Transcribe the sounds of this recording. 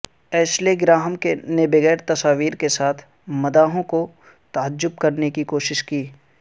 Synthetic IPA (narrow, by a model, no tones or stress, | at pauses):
ɛːsleɡɾaːɦəmkenebɐɣɛːɾt̪ɐsaːʋiːɾkesaːt̪ʰ | mɐd̪aːɦõko | t̪aːd͡ʒʊb̚kɐɾnekikoːʃɪʃkiː